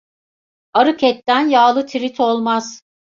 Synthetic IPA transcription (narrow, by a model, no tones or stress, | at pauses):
aɾɯkʰɛt̪ːænjaːlˠɯt̪ʰiɾit̪ʰo̞lˠmaz̥